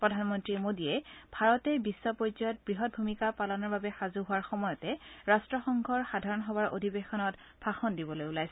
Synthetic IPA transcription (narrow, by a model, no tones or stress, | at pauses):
pɹɔdʱanmɔntɹimodiɛb̥ʱaɹɔtɛbisːɔpɔzɔjɔt̚bɹiɦɔt̚bʱumikapalɔnɔɹbabɛxazuɦʊwaɹxɔmɔjɔtɛɹastɹɔxɔŋɡʱɔɹxadʱaɹɔnɦɔwaɹʔo̰dʱibexɔnɔt | b̥ʰʱaxɔndibɔlojulajsɛ